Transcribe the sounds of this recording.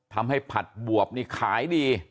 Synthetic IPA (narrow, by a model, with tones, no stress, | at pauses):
t̪ʰa˧mha˥˩jpʰa˨˩t̪̚bu˨˩əp̚niː˥˩kʰaː˩˦jdiː˧